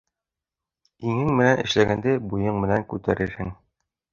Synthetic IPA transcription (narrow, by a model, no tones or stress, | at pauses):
iŋɘŋmɘ̆nænʔɘ̆ʃlæɡænd̪ɘbujɤɴmɘ̆næŋkʉt̪æɾɘɾhɘŋ